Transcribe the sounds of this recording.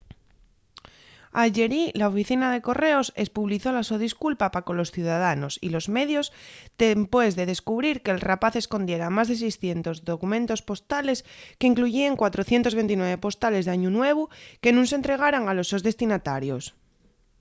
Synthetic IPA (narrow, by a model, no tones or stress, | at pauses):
aʝe̞ɾilaofiθinað̞e̞ko̞re̞o̞se̞spuβliθo̞lasoðiskulpapako̞lo̞sθjuð̞að̞ano̞sḭlo̞zme̞ðjo̞zd̪̥empwe̞zðe̞ð̞e̞skuβ̞ɾiɾke̞ːlrapaθe̞sko̞nd̪je̞ɾamazðe̞s̬ejsθje̞nt̪o̞zðo̞kumẽ̞nt̪ospo̞st̪ale̞skeiŋkluʝiaŋkwat̪ɾoθje̞nt̪oβe̞nt̪inwe̞β̞e̞po̞st̪ale̞zðaɲunwe̞β̞uke̞nũŋs̬ent̪ɾe̞ɣ̞aɾaŋalo̞sːo̞zðe̞st̪inat̪aɾjo̞s